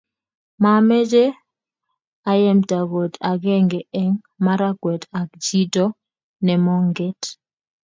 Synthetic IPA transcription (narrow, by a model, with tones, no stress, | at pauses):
ma˨mɛ˦d͡ʒe˦ | a˦jɛ˦mta˨ɡo˨ta˨ɡɛ˦ŋɡɛ˨ɛ˦ŋ | ma˦ɾa˦ɡwɛ˨ta˨kd͡ʒi˦tɔ˦ | nɛ˨mɔ˦ŋɡɛ˦t